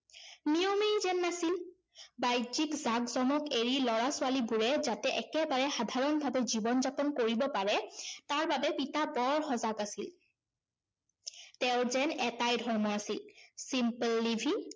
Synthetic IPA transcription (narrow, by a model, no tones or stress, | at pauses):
nijomeɹzɛnːasil | bajzikzakzɔmɔkeɹilɔɹasualibuɹɛzatɛʔɛkɛbaɹɛxadʱaɹɔnbʱabɛzibɔnzapɔnkoɹibɔpaɹɛtaɹbabɛpitabɔɹxɔzaɡasil | tɛʊzɛnɛtajdʱɔɹmɔasilsimpəlːibʱi